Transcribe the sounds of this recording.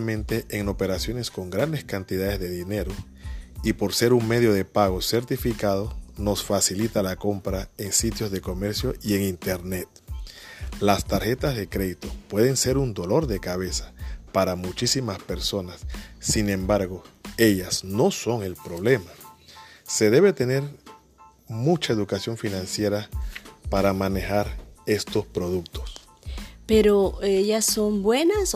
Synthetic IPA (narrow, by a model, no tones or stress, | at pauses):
mẽ̞nt̪e̞ʔeŋo̞pe̞ɾasjo̞ne̞sko̞ŋɡɾand̪e̞skant̪ið̞aðe̞zðe̞ðine̞ɾo | ipo̞ɾse̞ɾuŋme̞ð̞jo̞ðe̞paɣo̞se̞ɾt̪ifikað̞o̞no̞sfasilit̪alako̞mpɾae̞ŋsit̪jo̞zðe̞ko̞me̞ɾsjoie̞ŋint̪e̞ɾne̞t̪ | last̪aɾxe̞t̪azðe̞kɾe̞ðit̪o̞pwe̞ðe̞nse̞ɾund̪o̞lo̞ɾðe̞kaβe̞sḁpaɾamut͡ʃisimaspe̞ɾso̞nasːinẽ̞mbaɾɣo̞e̞ʝasno̞so̞ŋe̞lpɾo̞βle̞ma | se̞ð̞e̞βe̞t̪e̞ne̞ɾ | mut͡ʃae̞ðukasjo̞ŋfinãnsje̞ɾapaɾamane̞xaɾe̞st̪o̞spɾo̞ð̞ukt̪o̞̥s | peɾoejaso̞mbwe̞nas